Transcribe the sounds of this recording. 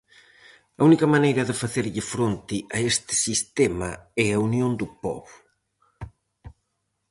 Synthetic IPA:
ɐunikɐmanejɾɐðɪfaθeɾʎɪfɾont̪ɪʔɐest̪ɪ̥sist̪ɛmɐ̰ɛaunjõnd̪ʊpɔ̰βʊ

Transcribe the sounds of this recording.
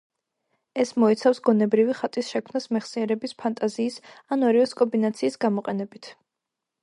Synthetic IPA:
ɛsmɔɛt̪sʰafsɡɔnɛbɾiviχat̪ʼisʃɛkʰmnasmɛχsiɛɾɛbispʰant̪ʼaziːsanɔɾivɛskʼɔmbinat̪sʰiːsɡamɔqʼɛnɛbit̪ʰ

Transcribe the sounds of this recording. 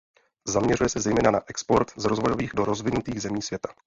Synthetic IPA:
zamɲɛrujɛsɛzɛjmɛːnanaʔɛkspo̞ɾt̪zɾozvo̞jo̞viːɣdo̞ɾo̞zvɪnut̪iːɣzɛmiːsvjɛt̪ḁ

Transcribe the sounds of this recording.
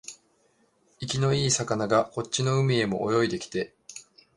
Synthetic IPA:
ikʲino̞iːsakanaɡako̞tt͡ɕino̞ɯ̟mʲie̞mo̞̰ʔːjo̞id̪e̞kʲi̥t̪e̞

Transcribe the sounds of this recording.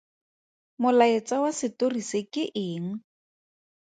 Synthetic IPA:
mʊlaet͡sawasɪtorisekɪʔɪːŋ̩

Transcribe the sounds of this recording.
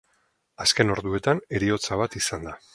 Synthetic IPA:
aske̞no̞ɾðue̞t̪ane̞ɾio̞t͡saβ̞at̪isand̪a

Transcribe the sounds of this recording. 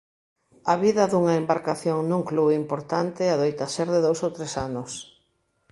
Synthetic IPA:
aβiðɐðuŋɐembaɾkaθjoŋnũŋkluimpoɾt̪ant̪ɪaðojt̪aseɾðɪðowsowt̪ɾesanʊs

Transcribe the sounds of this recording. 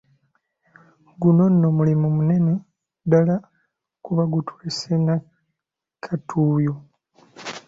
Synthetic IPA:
ɡuno̞nːomulimumune̞ne̞ | dala | kuβaɡutweːsena | kʰatʰuːjo

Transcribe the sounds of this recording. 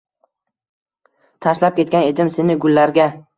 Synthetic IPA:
t̪ʰaʃlap̚kʲe̞t̪̚kʲane̞d̪ɪmse̞nɪɡʊlːaɾɡʲa

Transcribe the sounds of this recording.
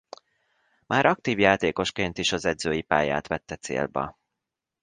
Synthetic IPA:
mʔaːɾɒk̚t̪iːvjaːt̪eːko̞ʃkeːnt̪iʃɒzɛd̪zøːjipa̰ːja̰ːt̪ʋɛt̪ːɛt̪sḛːlbɛ̰

